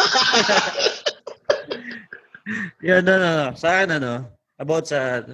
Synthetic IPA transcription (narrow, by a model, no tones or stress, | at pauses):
janonoosɐaːkɪnɐno̞ | ʔɐbawt̪̚sɐ